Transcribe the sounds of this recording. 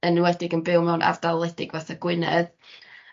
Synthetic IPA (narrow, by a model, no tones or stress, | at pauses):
ənwɛdɪɡənbɪwˠmɛwnʔa̰vdalˠɛdɪɡvaθaɡ̥wɨnɛ̰ð